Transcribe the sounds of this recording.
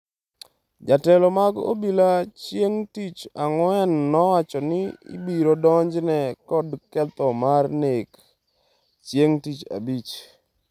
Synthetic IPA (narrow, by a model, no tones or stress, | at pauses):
d͡ʒatɛlɔmaɡo̰bilat͡ʃjeŋtit͡ʃaŋwɛnːɔwat͡ʃɔnɪḭbiɾodɔɲd͡ʒnɛkɔdkɛt̪ɔmarnek | t͡ʃjeŋtit͡ʃa̰bit͡ʃ